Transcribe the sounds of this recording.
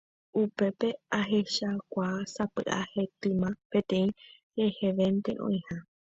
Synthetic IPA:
upe̞pe̞aɦeʃakʷasapɨ̰ʔa̰he̞t̪ɨ̃mãpe̞t̪ẽ̞ĩ | ɾeheʋent̪eʔõ̰ĩha

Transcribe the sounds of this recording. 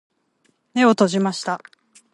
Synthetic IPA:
ne̞o̞t̪o̞ʑimaɕi̥t̪a

